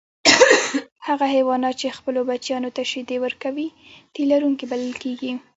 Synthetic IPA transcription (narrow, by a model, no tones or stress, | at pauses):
haɣaɦawɑnɑt̪̚t͡ʃexpəlobat͡ʃjɑnot̪aʃɪd̪ewəɾkawit̪elaɾuŋkibalɪlkeɡi